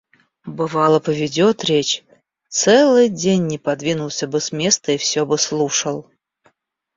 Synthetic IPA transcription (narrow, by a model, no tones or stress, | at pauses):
bɨvɑlˠəpəvʲɪdʲot̪ɾʲet͡ɕ | t̪sɛlˠɨjdʲenʲːɪpɐd̪vʲinʊlˠsʲəbɨsmʲest̪əifsʲobɨslˠuʂəlˠ